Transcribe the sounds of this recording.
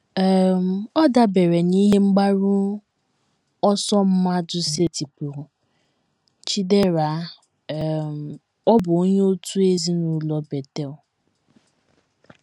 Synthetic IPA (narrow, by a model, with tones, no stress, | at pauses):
m˨ɔ˦da˦be˨ɾe˨ni˦ɦe˦ŋ͡m̩˦ɡ͡ba˦ɾʊ˦ | ɔ˦sɔ˦m̩˦ma˦dʊ˦se˦ti˨pu˨ɾ | t͡ʃi˦de˦ɾa˨˦˨ | m | ɔ˦bʊ˨o˦ɲe˦o˦tu˦e˦zi˦nu˦lɔ˦be˨te˦ʊ˨